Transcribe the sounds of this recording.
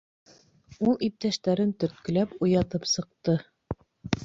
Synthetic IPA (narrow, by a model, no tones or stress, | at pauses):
ulˠip̚t̪æʃt̪æɾɘnt̪ɵ̆ɾt̪̚kɵ̆læpujɑt̪ɤpsɤ̆q̚t̪ɤ